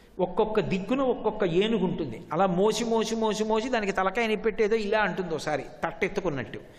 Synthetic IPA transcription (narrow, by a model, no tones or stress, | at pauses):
ɔkːɔkːɐd̪ikːunɐɔkːɔkːɐeːnukuɳʈund̪iɐlaːmo̞ːsimo̞ːsimo̞ːsimo̞ːsid̪aːnikit̪ɐlɐkaːjɐnipeʈːeːd̪o̞ːilaːɐɳʈund̪ɔːsaːɾit̪ɐʈːet̪ːɐkunːɐʈːu